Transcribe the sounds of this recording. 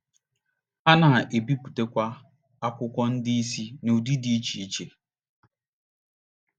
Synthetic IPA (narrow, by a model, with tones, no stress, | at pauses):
a˦na˨ʔe˨bi˦pu̥˨te˦kʷa˦ | a˦kʷʊ˦kʷɔ˦n̩˦dɪ˦i˦si˦nu˨di˦di˦i˦t͡ʃi˨i˦t͡ʃe˨